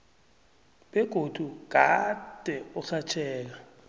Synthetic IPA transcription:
ɓɛɡ̥ʱod̥ʱuɡ̥ʱad̥ʱɛɔsat͡ʃʰɛːl̬a

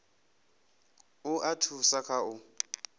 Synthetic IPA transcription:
ʊʔatʰusakʰaʊ

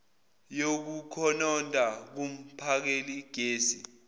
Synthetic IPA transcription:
jok̬ukʰɔnɔndʱʼak̬um̩pʰak̬eliɡ̥ʱeːsḭ

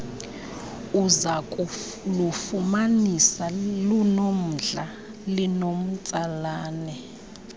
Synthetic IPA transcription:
uzakʼ | lufumanisalunom̩ɮa | linom̩t͡sʼalaːnɛ

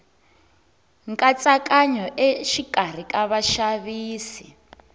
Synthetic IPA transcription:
ŋkʼat͡sʼakʼaɲɔʔeʃikʼar̤ikʼaβaʃaβiːsi

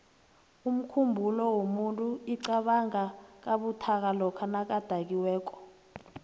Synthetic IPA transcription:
um̩kʰumbʱulɔwomuntʼuiǀaɓaŋak̬aɓutʰak̬alɔkʰanak̬ad̥ʱak̬iwɛːk̬ɔ̥

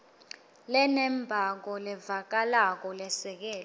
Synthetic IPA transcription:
lɛnɛmbʱak̬ɔlɛvak̬alak̬ɔlɛsɛk̬ɛːl

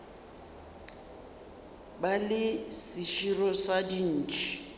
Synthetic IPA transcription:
balɪsɪʃirɔsadin̩ːt͡ʃʰʼi̥

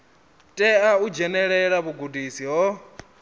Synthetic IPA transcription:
tʼɛaud͡ʒɛnɛɺɛɺaβuɡudʱisiɦɔ

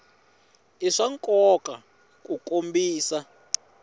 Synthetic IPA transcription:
iʂaŋkʼɔkʼa | kʼukʼombiːsa

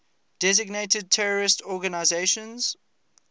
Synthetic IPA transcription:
d̥ɛzɪɡneɪtəd̚tʰɛɹəɹɪstʰɔɡanaɪzeʃə̃nz̥

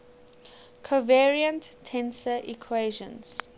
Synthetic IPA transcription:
kʰovɛɹiə̃nttʰːɛ̃nsəʔikʰweʒə̰̃nz̥

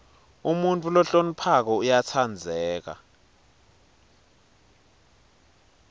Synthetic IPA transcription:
umuntʼulɔɬon̩pʰak̬ɔujat͡sʰand͡zʱɛːk̬a̰

